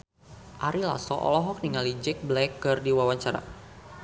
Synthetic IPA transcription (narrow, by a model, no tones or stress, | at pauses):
ʔaɾila̰sɔʔɔ̰lɔɦɔk̚niŋalid͡ʒɛk̚blɛkːərdiwawaɲt͡ʃaɾa̰